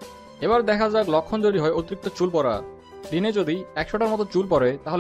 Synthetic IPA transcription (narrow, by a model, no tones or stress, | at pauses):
eβaɾd̪ɛkʰad͡ʑaɡlɔkʰːond͡ʑoɽiɦɔeot̪iɾik̚t̪ot͡ɕulpɔɾa̰ | ɖined͡ʑod̪iɛkʃoʈaɾmɔt̪ot͡ɕulpɔɾet̪aɦol